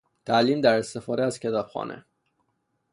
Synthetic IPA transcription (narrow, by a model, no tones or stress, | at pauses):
t̪ʰæliːmd̪æɾest̪e̞fɒːd̪eæz̥cʰe̞t̪ʰɒːb̥xɒ̰ːnʔḛ